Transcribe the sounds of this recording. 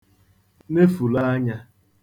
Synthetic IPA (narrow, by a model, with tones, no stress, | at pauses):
ne˦fu˨la˦a˦ɲa˦